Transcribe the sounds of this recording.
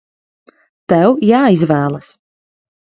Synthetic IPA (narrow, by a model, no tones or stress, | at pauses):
t̪ɛwjaːizvæːlˠas